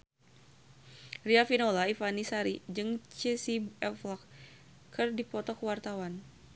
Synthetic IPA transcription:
riafinolaifanisaɾid͡ʒɨŋt͡ʃɛsibɛflɔk | kɨrdipɔt̪ɔkəwart̪awan

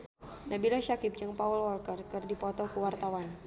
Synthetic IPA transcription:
nabilaʃakɪp̚d͡ʒɨŋpaulwɔlkərkɨrdipɔt̪ɔkuwart̪awan

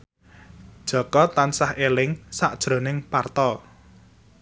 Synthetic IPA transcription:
d̥ʒ̥ɔ̤kɔt̪ansahʔelɪŋsaʔd̥ʒ̥ɾo̤nɪŋpart̪ɔ

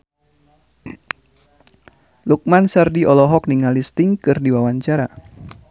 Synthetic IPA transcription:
luk̚mansardiɔlɔɦɔk̚niŋalist̪iŋkɨrdiwawaɲt͡ʃaɾa

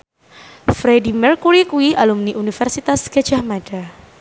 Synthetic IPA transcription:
fɾedimɛrkuɾikuiʔalumniʔunifɛrsit̪asɡ̥ḁd͡ʒahmaɖa

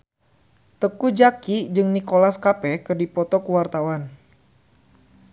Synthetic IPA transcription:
t̪əkud͡ʒakid͡ʒɨŋnikolaskapɛkɨrdipɔt̪ɔkuwart̪awan

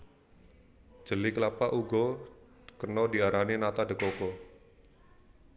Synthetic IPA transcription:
d͡ʒ̥ə̤likəlapaʔuɡɔ | kənɔdiaɾaninat̪adə̤kokɔ

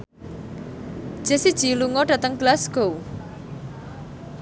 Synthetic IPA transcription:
d̥ʒ̥e̤sid̥ʒ̥iluŋɔɖ̥a̤t̪əŋɡ̥əlasɡ̥ow

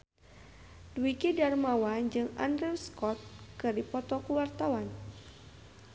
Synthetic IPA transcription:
dwikidarmawand͡ʒɨŋa̰ndɾiwskɔt̪̚kɨrdipɔt̪ɔkuwart̪awan

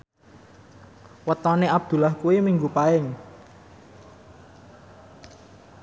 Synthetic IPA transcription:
wət̪ɔneʔab̚d̪̥ṳlahkuwimiŋɡupaɪŋ

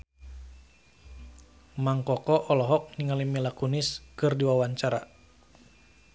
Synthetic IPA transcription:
maŋkɔkɔʔɔlɔɦɔk̚niŋalimilakuniskɨrdiwawaɲt͡ʃaɾa̰

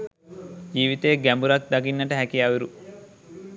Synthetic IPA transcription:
d͡ʒiːʋit̪ejːɡæmbuɾak̚d̪aɡinːəʈəɦækijaʋeɾu

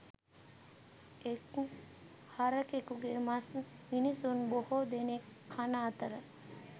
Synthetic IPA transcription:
eku | haɾəkekuɡemasminisunbohod̪enekʰːanaːt̪əɾə

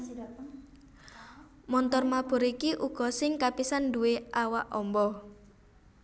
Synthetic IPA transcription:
mɔnt̪ɔrmab̥ṳɾikiʔuɡ̥ɔ̤sɪŋkapisanduweʔawaʔɔmbɔ

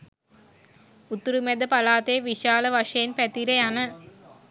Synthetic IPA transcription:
ʊt̪ːɪɾɯmeðɐpɐlaːt̪eːʋiʂaːlɐʋɐʂɐjɪnpɛt̪ːiɾɐjaːnɐ

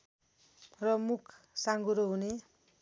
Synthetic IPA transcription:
rʌmukʰ | saŋɡuɾoɦune

